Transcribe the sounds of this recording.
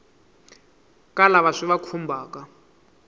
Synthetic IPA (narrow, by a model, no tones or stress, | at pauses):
kʼalaβaʂiβakʰumbʱaːka